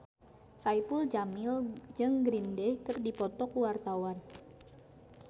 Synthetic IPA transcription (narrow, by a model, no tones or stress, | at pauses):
sajpuld͡ʒamɪld͡ʒɨŋɡɾindɛkərdipɔt̪ɔkuwart̪awan